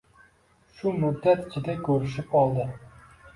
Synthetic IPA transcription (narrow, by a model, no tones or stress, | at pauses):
ʃʊmʊd̪ːat̪ɪ̥t͡ʃʰɪd̪akʰʲɵɾɪʃɪpɒlˠd̪ɪ